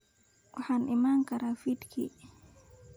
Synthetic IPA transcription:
uħanʔimaŋkaɾafitkʰḭ

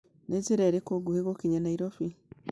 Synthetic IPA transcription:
nezeɾɛɾekoɡuheɣokiɲanaiɾɔfi

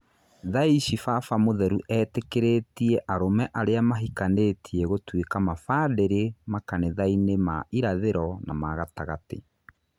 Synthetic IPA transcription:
ðaiɕifafamoðɛɾuʔɛːtekeɾetiɛʔaɾomɛʔaɾeamaɦikanetʰiɛɣotwekamafadeɾemakaneðainemaʔiɾaðeɾɔna̰maɣataɣatḛ

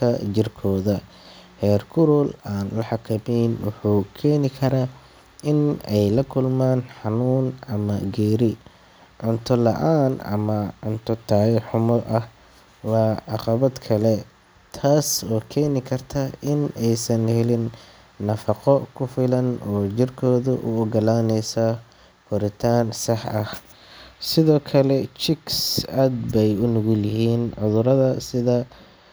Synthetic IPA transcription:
kʰɐt͡ʃɪrkʰɔːðɐ | hɛːrkʰʊɾɔlaːnlɐħɑkʰɐmɛjnwʊ̰ħuːkʰɛːnɪkʰɐɾaː | ɪnɛjlɐkʰʊlmaːnħɑnuːnʔɐmɐɡɛːɾɪ | ʕʊnt̪ʰɔlɐʔaːnɐ̰mɐʕʊnt̪ʰɔt̪ʰaːjɛħʊmɔʔɐh | wɑːʕɑqɑβɐd̪kʰɐlɛ | t̪ʰaːsɔːkʰɛːnɪkʰɐrt̪ʰɐɪnɛjsɐnhɛlɪnː | ɐfɑqɔkʰʊfɪlɐnɔːt͡ʃɪrkʰɔːðʊʔʊʊɡɐlaːnɛjsɐ | fʊɾɪt̪ʰaːnsɑħɐh | sɪðɔːkʰɐlɛt͡ʃɪksaːd̪bɛjʊnʊɣʊljɪɦiːnʕʊðʊɾɐðɐsɪðɐ

